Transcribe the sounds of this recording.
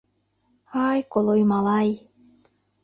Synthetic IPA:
hajkolˠojmɑlɑj

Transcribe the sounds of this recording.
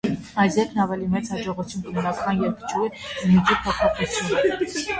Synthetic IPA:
ɑjsjɛkʰnɑvɛlimɛt͡sʰhɑd͡ʒɔʁut͡sʰjunkəmnɑkʰɑnjɛɾkə̥t͡ʃʰuɛmid͡ʒipʰɔpʰɔχut͡sʰjunə

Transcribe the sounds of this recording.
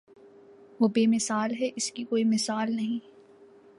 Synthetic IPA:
ʋoːbeːmɪsaːlɦɛʔɪskikoːimɪsaːlnɐɦĩː

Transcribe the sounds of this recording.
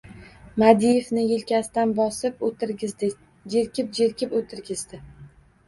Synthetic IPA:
mad̪ijefnɪjɪlkʲast̪anbɒsɪp̪ | d͡ʒeɾkʲɪp̚d͡ʒeɾkʲʰɪpot̪ʰɪɾɡʲɪzd̪ɪ

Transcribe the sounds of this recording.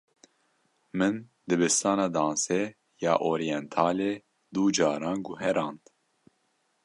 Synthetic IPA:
mɨn | d̪ɨbɨst̪ɑːnɑːd̪ɑːnsɛ | jɑːʔoːɾijɛnt̪ʰɑːleː | d̪uːd͡ʒɑːɾɑːnɡuɦɛɾɑːnt̪

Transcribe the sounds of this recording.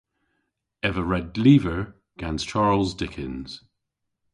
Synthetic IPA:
ɛvəɹɛdliːvə˞ | ɡ̥ãnz̥t͡ʃʰaɹlˠzdɪkʰɪ̃nz̥

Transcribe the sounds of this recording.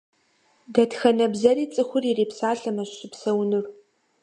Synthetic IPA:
dɐtxɐnɐbzɐriːt͡sʼɨxʷʊrireːpsaːɬɐmɐɕɕɪpsɐwnɨr

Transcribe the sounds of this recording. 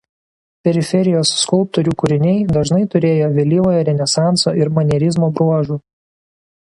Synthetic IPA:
pʲɛɾʲɪfʲɛɾʲɪjoːsːkʊlˠp̚t̪oːɾʲuːkʊɾʲɪnʲɛɪd̪ɐʒnɐɪt̪ʊɾʲeːjoːʋʲɛlʲiːʋoːjɐɾʲɛnʲɛsɑˑnt̪soːɪɾmɐnʲɛɾʲɪzmoːbɾuɔʒuː

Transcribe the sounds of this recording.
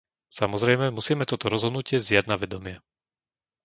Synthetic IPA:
samɔzɾɛjmɛmusiːmɛt̪ɔt̪ɔɾɔzɦɔd̪nucɪɛvzɪaɟnaʋɛd̪ɔmɪɛ

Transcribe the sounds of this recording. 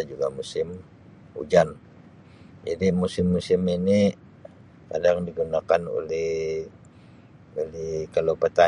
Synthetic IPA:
d͡ʒuɡamusɪm | ṵd͡ʒan | d͡ʒa̰dimusɪmːusɪmini | kadaŋdiɡunakano̰lɛh | olɛhkalopət̪a

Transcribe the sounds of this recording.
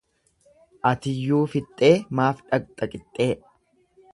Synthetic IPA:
ʔɐt̪ɪjːuːfɪt̪ʼːe̞ːmaːfᶑɐk̚ʼt̪ʼɐkʼɪt̪ʼːe̞ː

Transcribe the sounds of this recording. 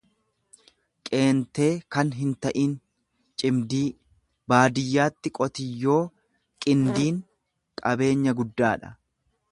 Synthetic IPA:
kʼe̞ːnt̪e̞ːkɐnɦɪnt̪ɐʔiːn | t͡ʃʼɪmd̪iː | baːd̪ɪjːaːt̪ːɪkʼɔt̪ɪjːo̞ː | kʼɪnd̪iːŋ | kʼɐbe̞ːɲːɐɡʊd̪ːaːᶑɐ̥̰

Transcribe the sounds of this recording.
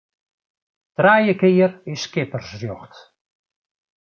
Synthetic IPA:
trajəkɪːrɪskɪpərsrjɔxt

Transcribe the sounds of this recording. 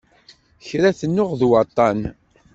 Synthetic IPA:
çɾæθənːʊʁðwɑt̪ˤːɑn

